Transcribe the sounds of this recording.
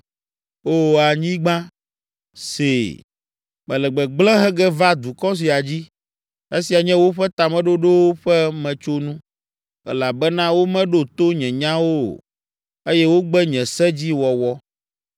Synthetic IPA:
o˦˨a˨ɲĩ˦ɡ͡bã˦ | se˨ | mɛ̃˨lɛ˨ɡ͡bɛ˨ɡ͡blɛ̃˦ɦɛ˦ɡɛ˦va˦d̪u˨kɔ˦s̬i˨a˨d͡ʑi˦ | e˦si˨a˨ɲɛ̃˦wo˦ɸɛ˦t̪a˨mɛ̃˦ɖo˦ɖe˦wo˦ɸɛ˦mɛ̃˨t͡ʃo˦nũ˦ | ɛ̰˦la˨bɛ˦nã˦wo˦mɛ̃˦ɖo˦t̪o˦ɲɛ̃˨ɲã˦wo̰˦˨ | e˦jɛ˦wo˦ɡ͡bɛ˦ɲɛ̃˨sɛ˦d͡ʑi˦wɔ˨wɔ˦

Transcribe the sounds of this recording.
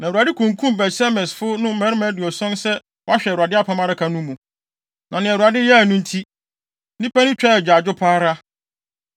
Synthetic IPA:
nã˨ɾa˨dɪ˦kʰũ˨ŋ˨kʰũ˦mbɛ˨sɛ˦mɛ˨sfʊ˦nʊ̃˦mɛ̃˨˦ɾɪ˦mã˦dɪ˨ɔ˨sʊ̃˦nsɛ˦ | wɔ˦a˦ɕᶣɛ˨ɾa˨dɪ˦a˦˨pʰã˦mã˦ɾa˦kʰa˨nʊ̃˦mũ˨ | nʔã˨nɪ̃˨ɛ˨ɾa˨dɪ˦jɛ˦˨nʊ̃˦n̩˦tʰi˦ | nĩ˦pʰa˦nʊ̃˦t͡ɕᶣɛ˦ɛ˨d͡ʑᶣa˨d͡ʑʊ˦pʰaː˦ɾa˦

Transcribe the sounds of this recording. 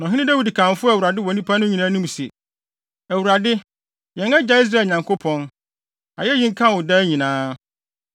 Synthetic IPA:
nɔ̃˨ɦɪ̃˦nɪ̃˦da˦wi˨di˨kʰã˨n˨fʊ˦˨wu˨ɾa˨dɪ˦wɔ˨nĩ˦pʰa˦nʊ̃˦ɲĩ˨nãː˦nũ˦m˨sɛ̰˨ | æ˨wu˨ɾa˨dɪ˦ | jɛ̃˨ŋɛ˦d͡ʑa˨i˦s̬ɾa˦˨lɲã˨ŋkʰo˦pʰɔ̃˦n | a̰˨jɛ˦jĩ˦ŋ̩˦kʰã˦wʊ˨daː˦ɲĩ˨nãː˦

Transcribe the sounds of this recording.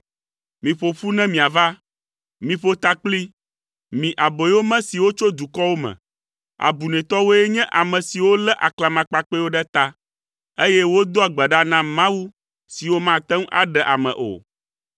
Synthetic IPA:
mĩ˨ɸo˨ɸu˦nɛ̃˦mĩ˨a˨va˦ | mĩ˨ɸo˦t̪a˦k͡pli˦ | mĩ˨ʔa˨bo˨jwo˦mɛ̃˦si˨wo˦t͡ʃo˦d̪u˨kɔ˦wo˦mɛ̰̃˨ | a̰˨bu˨nɛ̃˨t̪ɔ˦wo˦ɛ˦ɲɛ̃˦ʔa˨mɛ̃˨si˨wo˦lɛ˦ʔa˨kla˨mã˨k͡pa˨k͡pɛ˦wo˦ɖɛ˦t̪a˦ | e˦jɛ˦wo˦d̪o˦a˨ɡ͡bɛ˨ɖa˦nã˦mã˦wu˦ | si˨wo˦mã˦t̪ɛ˦ŋ˦ʔa̰˨ɖɛ˨ʔa˨mɛ̰̃˨ʔo̰˨

